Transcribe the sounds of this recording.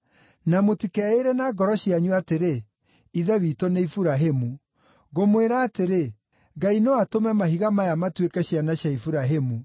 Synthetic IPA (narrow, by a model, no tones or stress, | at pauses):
namotikɛeɾɛnaɡɔɾɔɕjaɲuateɾe | iðɛwitoneifuɾaɦemu | ɣomweɾaːteɾe | ɡainewatomɛmahiɣamajamatwekɛɕjanaɕjaifuɾaɦemu